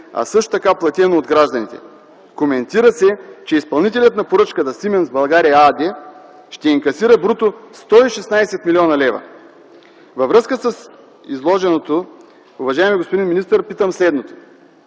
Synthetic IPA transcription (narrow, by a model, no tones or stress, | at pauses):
ɐ̰sɤʃt̪o̥t̪ɐkaplˠɐt̪ʲɛnoːd̪ɡɾaʒd̪ɐnit̪ɛ̰ | komɛnt̪iɾəsɛt͡ʃɛispɐlˠnit̪ɛlʲət̪nɐpoɾɤt͡ʃkət̪ɐsimɛnzbɐlˠɡaɾiɐad̪ɛ | ʃt̪ɛiŋkɐsiɾəbɾut̪ost̪ɔiʃɛsnaɛsɛt̪milʲiɔnɐlɛvɐ̰ | vɐvɾɤskəsəs | izlˠɔʒɛnot̪o | uvɐʒaɛmiɡospod̪inminist̪əɾpit̪əmslɛd̪not̪o̥